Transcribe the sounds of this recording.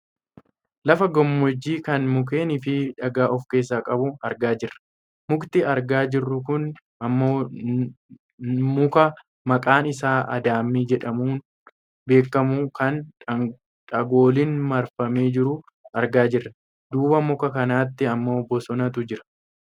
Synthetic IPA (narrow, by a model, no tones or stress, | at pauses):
lɐfɐɡɔmːɔd͡ʒːiːkɐnmʊk̬e̞ːnɪfɪᶑɐɡaːʔɔfke̞ːs̬ːaːkʼɐbʊɐɾɡaːd͡ʒɪrːɐ̥ | mʊkt̪ɪɐɾɡaːd͡ʒɪrːʊkʊn | ɐmːoː | mʊkɐ | mɐkʼaːnɪsaːʔɐ̰d̪aːmːiːd͡ʒɛᶑɐmuːn | be̞ːkːɐmukɐn | ᶑɐɡo̞ːlɪnmɐɾfɐmeːd͡ʒɪɾʊ | ɐɾɡaːd͡ʒɪrːɐ | d̪uːbɐmʊkɐkɐnaːt̪ːɪɐmːo̞ːbɔsɔnɐt̪ʊd͡ʒɪɾɐ̥